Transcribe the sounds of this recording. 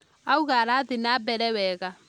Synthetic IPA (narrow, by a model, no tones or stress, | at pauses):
auɣaɾaðenabɛɾɛwɛɣa